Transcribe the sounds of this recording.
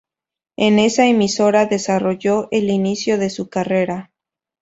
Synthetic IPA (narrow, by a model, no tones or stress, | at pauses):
e̞ne̞saemiso̞ɾaðe̞saro̞ʝo̞ʔe̞linisjo̞ðesukare̞ɾa